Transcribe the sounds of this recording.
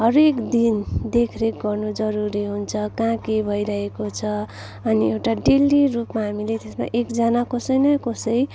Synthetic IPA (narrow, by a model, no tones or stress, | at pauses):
ɦʌɾekd̪ind̪ekʰɾek̚ɡʌrnud͡zʌɾuɾiɦunt͡sʰʌkãkebʱʌiɾʌɦekot͡sʰʌ | ʌniewʈaɖelirupmaɦamilet̪esma̰ʔekd͡zʌnakosʌjnʌkosʌj